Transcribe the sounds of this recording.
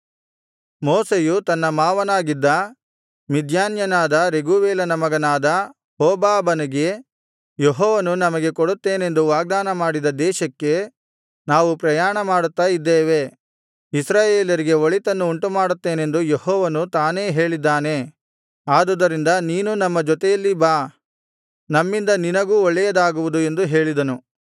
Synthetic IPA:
moːsejut̪ɐnːɐmaːʋɐnaːɡid̪ːɐ | mid̪ʱjaːnjɐnaːd̪ɐɾeɡuʋeːlɐnɐmɐɡɐnaːd̪ɐ | hoːbaːbɐnɐɡe̞ | jeɦɔːʋɐnunɐmɐɡe̞koɽut̪ːe̞ːne̞nd̪uʋaːɡ̚d̪aːnɐmaːɽid̪ɐd̪ɛːʃɐkːe̞ | naːʋupɾɐjaːɳɐmaːɽut̪ːaːjid̪ːeːʋe̞ | isɾaːjeːljɐɾiɡe̞ʋoɭit̪ɐnːuːɳʈumaːɽut̪ːe̞ːne̞nd̪ujehɔːʋɐnut̪aːne̞ːɦe̞ːɭid̪ːaːne̞ | aːd̪ud̪ɐɾind̪ɐniːnunɐmːɐd͡ʒɔt̪ɛjɐlːibaː | nɐmːind̪ɐninɐɡuːɔɭːɛjɐd̪aːɡuʋud̪ue̞nd̪uɦe̞ːɭid̪ɐnu

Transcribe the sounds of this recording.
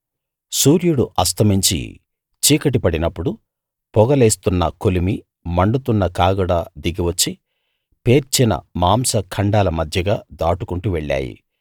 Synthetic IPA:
suːɾjuɽuʔɐs̬t̪ʰɐmiɲt͡ʃḭ | t͡ʃiːkɐʈ̬ipɐɽinɐpːuɽu | pɔɡɐle̞ːst̪unːɐ̰kolimi | mɐɳɖut̪unːɐkaːɡuɽaːd̪iɡiʋɐt͡ʃːi | pe̞ːɾt͡ʃinɐ̰maːmsɐkʰɐɳɖaːlɐmɐd̪ʱjɐɡaːd̪aːʈukuɳʈuʋeɭːa̰ːjḭ

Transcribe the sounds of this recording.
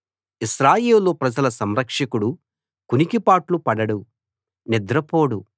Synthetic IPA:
iʃɾaːjeːluloːpɾɐd͡ʒɐlɐsɐmɾɐkʂɐkuɽu | kunikipaːʈlupɐɽɐɽu | nid̪ɾɐpo̞ːɽu

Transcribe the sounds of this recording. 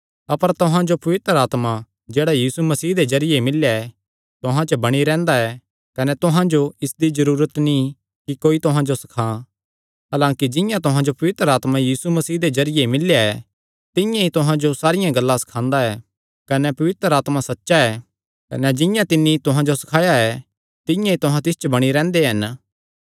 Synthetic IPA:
ɐpəɾt̪ʊɦãd͡ʒopɐʋɪt̪ɾəaːt̪ma | d͡ʒeːɽajiːsumɐsiːɦd̪ed͡ʒɐɾɪjemɪljaɛ | t̪ʊɦãt͡ʃəbɐɽ̃iɾɛ̃ːnd̪aɛ | kɐnɛt̪ʊɦãd͡ʒoɪsd̪izɐɾuːɾət̪nĩ | kikoːit̪ʊɦãd͡ʒosɐ̥kʰã | ɦaːlãːkid͡ʒɪ̃jãt̪ʊɦãd͡ʒopɐʋɪt̪ɾəaːt̪majiːsumɐsiːd̪ed͡ʒɐɾɪjemɪljaɛ | t̪ɪ̃jãit̪ʊɦãd͡ʒosaːɾɪjãɡɐlːãsɐ̥kʰãːnd̪aɛː | kɐnɛpɐʋɪt̪ɾəaːt̪masɐtːʃaɛː | kɐ̰nɛd͡ʒɪjãt̪ɪnːit̪ʊɦãd͡ʒosɐ̥kʰaːjaɛ | t̪ɪ̃jãit̪ʊɦãt̪ɪst͡ʃəbɐɽ̃iɾɛ̃ːnd̪eɦɐn

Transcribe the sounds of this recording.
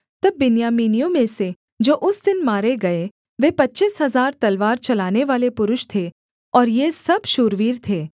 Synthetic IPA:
t̪ɐbːɪnjaːmiːnijõmẽse | d͡ʒoːʔʊsd̪ɪnmaːɾeɡɐe | ʋeːpɐtːt͡ʃɪsɦɐzaːɾt̪ɐlʋaːɾt͡ʃɐlaːneʋaːlepʊɾʊʃt̪ʰe | ɔːɾjesɐbʃʊɾʋiːɾt̪ʰeː

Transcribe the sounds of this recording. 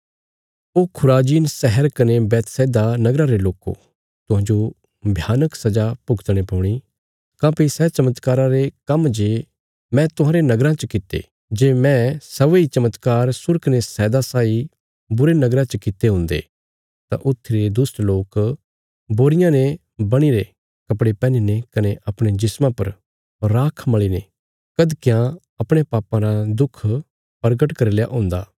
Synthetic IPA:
oːkʰʊɾaːd͡ʒiːnsɛɦɛɾkɐnebɛːt̪sɛːd̪anɐɡɾaɾeloːko̰ | t̪ʊɦãːd͡ʒo | bʱjaːnəksɐd͡ʒapʊɡt̪ɽ̃epɔːɽ̃i | kãːpisɛːt͡ʃɐmət̪kaːɾãɾekɐmd͡ʒeː | mɛ̃t̪ʊɦãːɾenɐɡɾãt͡ʃəkɪt̪ːḛ | d͡ʒeːmɛ̃sɐʋeit͡ʃɐmət̪kaːɾsʊɾknesɛːd̪asaːi | bʊɾenɐɡɾãt͡ʃəkɪt̪ːeɦʊ̃nd̪ḛː | t̪ã̰ʔʊt̪ʰːiɾed̪ʊsʈloːk | boːɾɪjãne | bɐɽ̃iɾe | kɐpɽepɛ̃ːninekɐneʔɐpɽ̃ed͡ʒɪsmãpɐɾ | ɾaːkʰmɐɭine | kɐd̪kjã | ɐpɽ̃epaːpãɾad̪ʊkʰ | pɐɾɡəʈkɐɾilja̰ʔɦõːnd̪a̰ː

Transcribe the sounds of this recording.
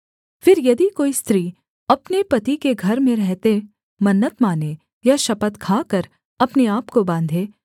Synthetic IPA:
fɪɾjɐd̪ikoːist̪ɾiː | ɐpnepɐt̪ikeɡʱɐɾmẽɾɛɦt̪e | mɐnːət̪maːne | jaʃɐpət̪kʰaːkəɾ | ɐpneaːpkobãːnd̪ʱeː

